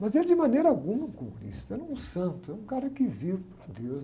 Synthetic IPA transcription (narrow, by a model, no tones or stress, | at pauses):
mɐzeld͡ʒɪmɐnejɾɐaɡũmɐkomṵ̃nḭst̪ɐelɛũsɐ̃nt̪ʊɛũkaɾɐkɪviɾpɾɐd̪ewz